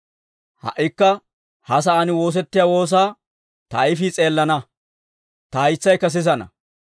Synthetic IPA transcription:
hɐ̰ʔːɪkːɐ | hɐs̬ɐʔɐnɪwo̞ːs̬ɛt̪ːɪjaːwo̞ːs̬aː | t̪ɐɪfit͡sʼe̞ːlːɐnɐ | t̪ɐɐjt͡sːɐjkːɐs̬ɪzɐnɐ̰

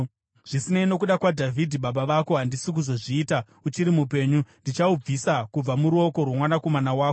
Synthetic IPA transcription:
ʐ̥isineino̞k̬uɗakwadʱavʱidʱiɓaɓaʋako̞ɦandisik̬uzo̞ʐiːta | ut͡ʃiɾimupe̞ːɲundit͡ʃaub͡visakub͡vamuɾuo̞ko̞rwomwanako̞manawaːko

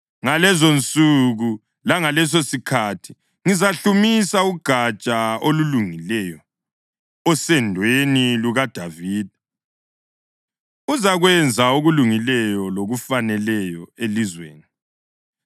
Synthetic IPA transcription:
ŋalɛzont͡sʼuɣu | laŋalɛs̬osikʰatʰi̥ | ŋizaɬumisauɡ̥ʱat͡ʃʼaoluluŋilɛjɔ | ɔsɛndʱweniluɣad̥ʱaviːd̥̚ʱɛ | uzaɣwɛnd͡zʱauɣuluŋilɛjɔloɣufanɛlɛjɔelizwḛːni

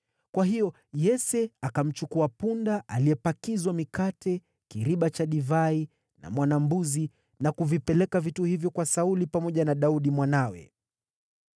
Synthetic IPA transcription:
kwaɦijɔ | jɛsɛakam̩t͡ʃukuapundaʔaliɛpakizwamikatɛ | kiɾiɓat͡ʃaɗivai | na̰mwanambuzi | nakuvipɛlɛkavituhivjɔkwasaulipamɔʄanaɗauɗimwanawɛ̰

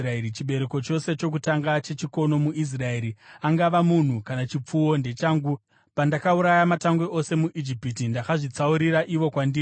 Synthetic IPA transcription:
raeit͡ʃiɓe̞ɾe̞ko̞t͡ʃo̞se̞t͡ʃo̞k̬utaŋɡat͡ʃe̞t͡ʃiko̞no̞muʔis̬rae̞ɾiaŋɡaʋamun̤ukanat͡ʃip͡fuwo̞nde̞t͡ʃaːŋɡu | pandakauɾajamataŋɡweʔo̞se̞muʔid͡ʒipitindakaʐit͡sauɾiɾaʔiʋo̞kwandiː

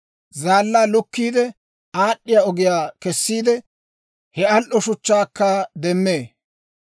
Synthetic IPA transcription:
zaːlːaːlʊkːiːd̪ɛ | aːɗːɪjaɔɡɪjaːkɛsːiːd̪ɛ | hɛɐlʔɔʃʊt͡ʃːaːkːɐd̪ɛmːe̞ː

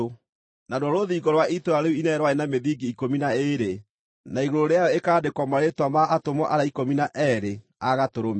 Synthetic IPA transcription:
nadwɔɾoðiːɡɔɾwaitoaɾeuinɛɾwaenameðiɡiikominaeɾe | naiɣoɾoɾeajɔekaːdekwɔmaɾetwamaʔatomɔʔaɾaikominaʔɛɾe | aɣatoɾome

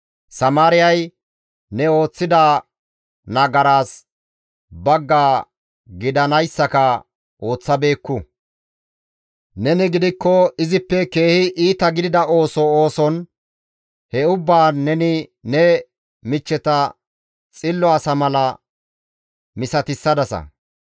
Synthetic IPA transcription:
sɐmaːɾɪjɐj | nɛo̞ːt͡sːɪd̪aː | nɐɡɐɾaːs | bɐɡːaː | ɡɪd̪ɐnɐjsːɐkɐ | ʔo̞ːt͡sːɐbe̞ːkːʊ | nɛnɪɡɪd̪ɪkːɔɪzɪpːɛke̞ːhɪʔiːt̪ɐɡɪd̪ɪd̪ɐʔo̞ːsɔoːsɔn | hɛʊbːaːɛnɪnɛ | mɪt͡ʃːɛt̪ɐ | t͡sʼɪlːɔɐsɐmɐlɐ | mɪsɐt̪ɪsːɐd̪ɐsɐ̰

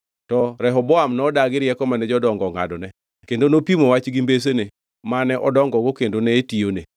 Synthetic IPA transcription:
tɔɾɛɦɔbɔamnɔdaɡɪɾjɛkɔmanɛd͡ʒɔdɔŋɡɔŋa̰dɔnɛ | kendonopimowat͡ʃɡimbes̬ene | manɛʔɔdɔŋɡɔɡokendonɛetione

